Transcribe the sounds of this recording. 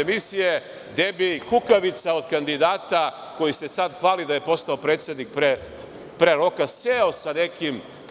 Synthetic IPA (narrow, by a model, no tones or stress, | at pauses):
emisije | d̪ebikukaʋit̪saod̪kand̪id̪aːt̪a | ko̞jise̞sad̪xʋaːlid̪aje̞po̞st̪aopɾeːt̪se̞d̪nik̚pɾe | pɾeɾo̞kaseo̞sane̞kim